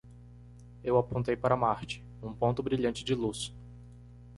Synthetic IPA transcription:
ewapõnt̪ejpaɾɐmaɾt͡ʃɪ̥ | ũpõnt̪ʊbɾiʎɐ̃nt͡ʃɪd͡ʒɪlus

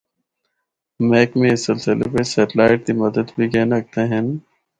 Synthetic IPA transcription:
mɛːkmẽɪsɪlsɪlḛpesɛːʈɪlaːɪʈ̚k̪imɐd̪əd̪bʱiɡɛːnɐk̚t̪eɦɛ̃n

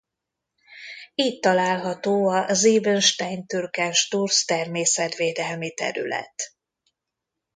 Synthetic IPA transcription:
iːct̪ɒlaːlɦɒt̪oːɒziːvønʃt̪ɛjnt̪yrkɛnʃt̪urst̪ɛrmeːsɛt̪ʋeːd̪ɛlmit̪ɛ̰ɾy̰lɛ̰t̪

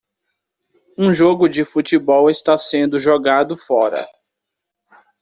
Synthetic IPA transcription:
ũʒoɡʊd͡ʒɪfut͡ʃibɔwɪst̪asẽnd̪ʊʒoɡad̪ʊfɔɾɐ̰

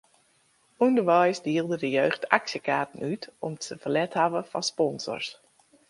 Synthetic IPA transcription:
undərʋɛjsdiəlˠdədəjøːxtaksjəkaːtən̩ytɔmtəəfərlɛthaʋəfɑspɔnzɔ̰rs

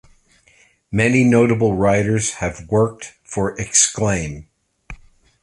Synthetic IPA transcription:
mɛninoʊɾəbl̩ˠɹaɪɾə˞z̥ɨvwɜ˞k̚tfə˞ʔɨksklẽɪ̃m

